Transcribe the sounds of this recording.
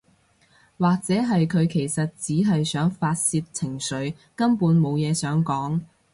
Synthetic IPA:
waː˨k̚t͡sɛː˨˥ɦɐ˨jkʰɵ˨˧ɥkʰe˨˩jsɐ˨t̚t͡siː˨˥ɦɐ˨jsœː˨˥ŋfaː˧t̚siː˧t̚t͡sʰɪ˨˩ŋsɵ˨˧˥ɥ | kɐ˥mpuː˨˥nmo˨˧wjɛː˨˧sœː˨˥ŋkɔː˨˥ŋ

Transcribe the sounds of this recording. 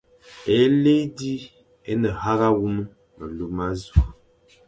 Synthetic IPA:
e˨˦le˦di˦ | e˦nə˨ha˦ɣa˦wu˦mə˦ | mə˨lu˨˦ma˦zu˨

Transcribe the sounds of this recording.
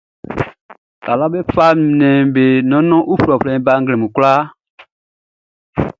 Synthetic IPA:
ta˨lɔ˦be˦fa˦˨nɛ̃˨be˨nɔ̃˨˦nɔ̃˦ʔu˦fu˨ɾɔ˨flɛ̃˨˦ba˦ŋɡlɛ̃˨mũ˨ku˦la˦

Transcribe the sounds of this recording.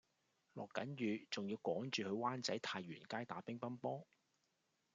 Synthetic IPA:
lɔː˨kːɐ˨˥njyː˨t͡sʊ˨ŋjiː˧wkɔː˨˥ŋt͡ʃyː˨hɵ˨˧ɥwaː˥nt͡sɐ˨˥jt̪ʰaː˧jɥyː˨˩nkaː˥jt̪aː˨˥pɪ˥ŋpɐ˥npɔː˥

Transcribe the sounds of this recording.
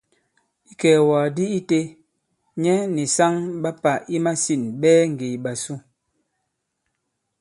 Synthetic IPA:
i˦kɛː˨waː˨di˦i˦te˦ | ɲɛ˦ni˨sa˦ŋɓa˦pa˨i˦ma˦si˦˨nɓɛː˦ŋ̩˨ɡe˨jɓa˨su˦˨

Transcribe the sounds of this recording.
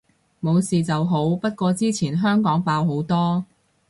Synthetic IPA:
mo˨˧wsiː˨t͡sɐ˨wɦo˨˥wpɐ˥t̚kʷɔː˧t͡siː˥t͡sʰiː˨˩nɦœː˥ŋkɔː˨˥ŋpaː˧wɦo˨˥wt̪ɔː˥

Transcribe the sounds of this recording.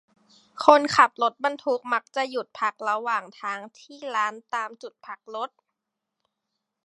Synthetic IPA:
kʰo˧˥˨nkʰa˨˩p̚lo˦˥t̪̚ba˧nt̪ʰu˦˥k̚ma˦˥k̚t͡ɕa˨˩ju˨˩t̪̚pʰa˧˦˥k̚la˧waː˨˩ŋt̪ʰaː˦˥ŋt̪ʰiː˥˩laː˦˥nt̪aː˧mt͡ɕu˨˩t̪̚pʰa˧˦˥k̚lo˧˦˥t̪̚

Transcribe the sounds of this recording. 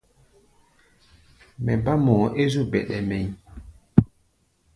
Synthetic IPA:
mɛ˨ba˦mɔː˨ʔe˦zu˦˨bɛ˨ɗɛ˨mɛ˨ɲ

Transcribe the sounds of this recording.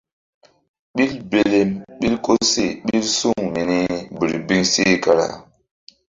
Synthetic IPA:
ɓi˦lbe˨le˦mɓi˦lko˦se˨ɓi˦lsu˦˨ŋmi˨ni˦bi˨ɾi˨bi˦ŋse˦˨ka˨ɾa̰˨

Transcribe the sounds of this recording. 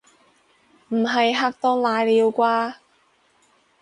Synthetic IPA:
m̩˨˩ɦɐ˨jɦaː˧k̚t̪ɔː˧˥ŋlaː˨˧jliː˨˧wkʷaː˧

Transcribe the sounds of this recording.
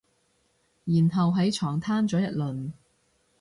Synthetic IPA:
jiː˨˩nɦɐ˨wɦɐ˨˥jt͡ʃʰɔː˨˩ŋt̪ʰaː˥nt͡sɔː˨˧˥jɐ˨t̚lɵ˨n

